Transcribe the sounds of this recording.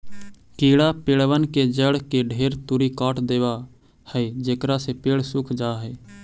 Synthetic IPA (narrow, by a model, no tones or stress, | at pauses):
kiːɽapeːɽʋənked͡ʒəɽkeɖʱeːɾt̪ʊɾikaːʈd̪eːʋa | hɛːd͡ʒeːkɾasepeːɽsʊkʰd͡ʒaːɦɛː